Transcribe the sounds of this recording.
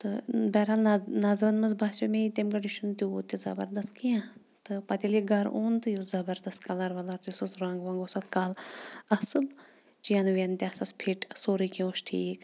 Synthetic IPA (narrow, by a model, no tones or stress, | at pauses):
t̪ɨbɛɾalnɐzɾɐnmɐzbʱaːʃɐmẽit̪emkɐɖiʃunt̪ut̪izɐ̰bɐ̰ɾd̪ɐst̪kijã | t̪ɨpɐt̪ʲiliɡɐɾoːnt̪ɨjuzɐbɐɾd̪ɐst̪kɐlɐɾʋɐlɐɾt̪jusɐsɾaːŋɡʋãːŋɡoːsɐt̪kaːlɐsɨl | t͡ʃijanʋent̪ʲiasɐspʰiʈsoːɾikĩoːʃʈʰiːk